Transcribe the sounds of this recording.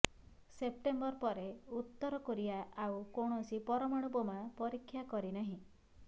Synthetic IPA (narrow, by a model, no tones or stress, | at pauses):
sep̚ʈembɔɾpɔɾeut̪ːɔɾɔkoɾiaawkoɽ̃ɔsipɔɾɔmaɽ̃ubɔmapɔɾikʰːjakɔɾinaɦĩ